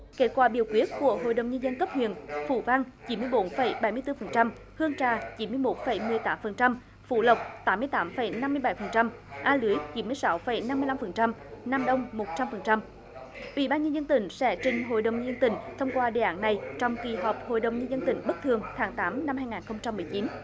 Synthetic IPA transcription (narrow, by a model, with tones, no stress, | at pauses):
ke˦˥t̚kwaː˧˩ɓḭ˧˩əwkwi˦˥ət̚ku˧˩əɦo̰˧˨jɗə˨˩wŋ͡mɲə˧nzə˧nkə˦˥p̚hwḭ˧˨ənfṵ˧˩˨va˧ŋt͡ɕi˨˦nmɨ˧əjɓo˨˦nfə˧˩jɓa˨˩jmɨ˧əjt̪ɨ˧fə˨˩nt͡ɕa˧m | hɨ˧əŋt͡ɕaː˧˩t͡ɕi˨˦nmɨ˧əjmo˨˦˥t̚fə˧˩jmɨ˧əjt̪aː˨˦mfə˨˩nt͡ɕa˧m | fṵ˧˩lə˨˩wk͡p̚t̪aː˨˦mːɨ˧əjt̪aː˨˦mfə˧˩jna˧mːɨ˧əjɓa˧˩jfə˨˩nt͡ɕa˧m | ʔaː˧lɨ˨˦əjt͡ɕi˨˦nmɨ˧əjsa˨˦wfə˧˩jna˧mɨ˧əla˧mfə˨˩nt͡ɕa˧mna˧mɗə˧wŋ͡mmo˨˩t̚t͡ɕa˧mfə˨˩nt͡ɕa˧m | ʔḭ˧˨ɓaː˧nɲə˧nzə˧nt̪ï˧˩ŋ̟sɛ̰˧˥t͡ɕï˧ŋ̟ɦo̰˧˨jɗə˨˩wɲə˧zə˧nt̪ï˧˩ŋ̟t̪ʰə˧wŋ͡mkwaː˧ɗḛ˧˨ʔaː˨˦nːa˨˩jt͡ɕɔ˧wŋ͡mki˨˩ɦɔ˨˩wp̚ho̰˧˨jɗə˨˩wŋ͡mɲə˧nzə˧nt̪ï˧˨˩ŋ̟ɓə˦˥k̚t̪ʰɨ˨˩əŋt̪ʰaː˨˦ŋt̪aː˨˦mna˧mhaː˧jŋaː˨˩nxə˧wŋ͡mt͡ɕa˧mːɨ˨˩əjt͡ɕi˨˦n